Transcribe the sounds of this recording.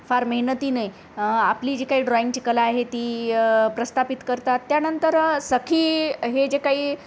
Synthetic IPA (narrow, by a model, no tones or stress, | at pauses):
faɾməɦinət̪iːnəi | apliːd͡ʑekaɦiːɖɾɔĩŋɡt͡ɕikəlaːɦet̪iːpɾəst̪ʰapit̪kəɾt̪at̪ːjanənt̪əɾsəkʰiːɦed͡ʑekaɦiː